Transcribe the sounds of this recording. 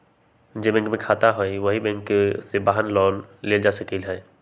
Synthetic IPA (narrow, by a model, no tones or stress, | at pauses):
d͡ʒoːbɛ̃ŋkmẽkʰaːt̪aɦoiʋɐɦibɛ̃ŋksebaːɦənlɔːlːeːld͡ʒaːsəkilɦɛː